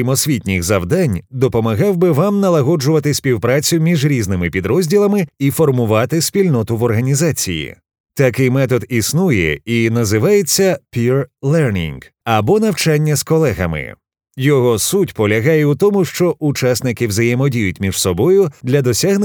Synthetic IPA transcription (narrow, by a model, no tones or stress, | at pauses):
imɔsʲʋʲitʲnʲiɣzɐwd̪anʲd̪ɔpɔmɐɣɑwbɪʋamnɐlˠɐɦɔd͡ʒʊʋɐt̪ɪsʲpʲiwpɾat͡sʲʊmʲiʒɾʲiznɪmɪpʲid̪ɾɔzʲdʲilˠɐmɪifɔrmʊʋɑt̪ɪsʲpʲilʲnɔt̪ʊʋɔrɦɐnʲizat͡sʲḭjḭ | t̪ɐkɪjmɛt̪ɔd̪isnujɛ̰inɐzɪʋajet͡sʲːɐpʲirlˠɛrnʲḭŋɡɐbɔn̪ɐwt͡ʃanʲːɐskɔlˠɛɣɐ̰mɪ̰ | jɔɦɔsutʲpɔlʲɐɦajɛut̪ɔmʊʃt͡ʃɔʔʊt͡ʃasnɪkɪwzɐjɛmɔdʲijʊt̚ʲmʲiʒ̥sɔbɔjʊd̪lʲɐd̪ɔsʲaɦn